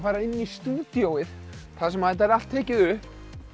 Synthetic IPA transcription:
faːɾaɪnːist̪uːt̪jowɪðθasɛmaðt̪aɾal̥t̪ʰːɛːcɪðʏhp

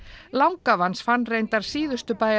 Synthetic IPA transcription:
lawŋkavansfanːrejnt̪aɾ̥siːðʏst̪ʏpaːj

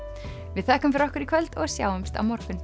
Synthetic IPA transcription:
vɪðθɛhkʏmfɪɾɔhkʏɾikʰvœlt̪ɔɣsja̰ːwʏmst̪a̰wmɔɾ̥kʏn

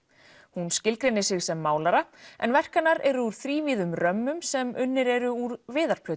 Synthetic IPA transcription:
hunscɪlkɾenːɪsɪɣsɛmːaːwlaɾaɛ̰nvɛr̥kanːaɾɛɾʏuɾ̥θɾiːviːðʏmrœmːʏmsɛmʏnːɪɾɛɾʏuɾvɪːðaɾ̥pʰlœːt̪

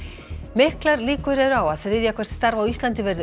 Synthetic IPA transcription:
mɪhklaɾliːkʏɾɛðɾawaðθɾɪðjakʰvɛr̥t̪st̪aɾvawist̪lant̪ɪvɛɾðʏ

